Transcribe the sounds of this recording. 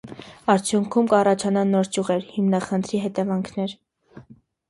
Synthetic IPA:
ɑɾt͡sʰjuŋkʰumkɑrɑt͡ʃʰɑnɑnɔɾt͡ʃuʁɛɾhimnɑχənt̪ʰɾiɦɛt̪ɛvɑŋkʰnɛɾ

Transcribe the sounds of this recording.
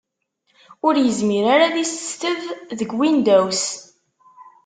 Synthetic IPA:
ʊɾjəzmiɾaɾaðisə̥st̪əvðəɡwind̪æws

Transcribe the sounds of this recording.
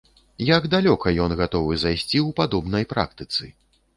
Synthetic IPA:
jaɡd̪alʲɔkɐjɔnɣat̪ɔvɨzajsʲt͡sʲiwpad̪ɔbnɐjpɾa̰k̚t̪ɨt̪sɨ̰

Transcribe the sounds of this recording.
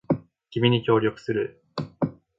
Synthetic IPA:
ɡʲimʲiɲ̟ikʲo̞ːɾʲjo̞kɯ̟̥sɨɾɯ

